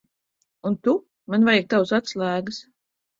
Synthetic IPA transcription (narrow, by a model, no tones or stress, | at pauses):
unt̪u | manvajak̚t̪awsat̪slˠæːɡɨs